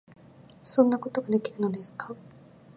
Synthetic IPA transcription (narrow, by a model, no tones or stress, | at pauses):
sõ̞nːako̞t̪o̞ɡad̪e̞kʲiɾɯ̟no̞d̪e̞sɨ̥ka